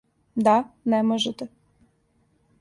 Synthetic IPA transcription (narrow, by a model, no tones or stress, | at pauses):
d̪anɛmoʒɛt̪ɛ